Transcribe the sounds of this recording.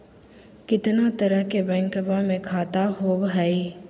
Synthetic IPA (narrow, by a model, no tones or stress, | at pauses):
kɪt̪nat̪əɾəɦkebɛ̃ːŋkəbãmẽkʰaːt̪aɦoːbɦɛi